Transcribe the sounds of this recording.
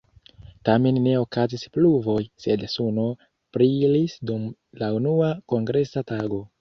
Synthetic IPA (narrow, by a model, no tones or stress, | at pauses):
tame̞nːe̞o̞kazispluvo̞jse̞dsuno̞ | pɾilisdumlaunuako̞ŋɡɾe̞sataɡo̞